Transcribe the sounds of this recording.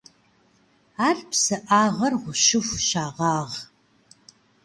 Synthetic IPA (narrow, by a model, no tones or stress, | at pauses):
aːɮpʰsɨʔaːʁɐrʁʷʊʃɪfʷʃaːʁɑːʁ